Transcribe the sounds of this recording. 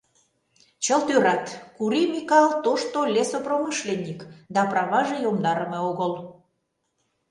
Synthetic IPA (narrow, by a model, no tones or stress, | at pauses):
t͡ɕəlt̪øɾɑt̪kuɾimikɑlt̪oʃt̪olʲesopromɨʃlenʲːikd̪ɑprɑβɑʒejomd̪ɑɾəmeoɣəl